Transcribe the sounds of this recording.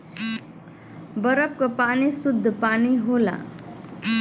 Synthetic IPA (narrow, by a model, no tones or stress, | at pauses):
bəɾəp̚kapaːnisʊd̪ʱːpaːniɦoːla̰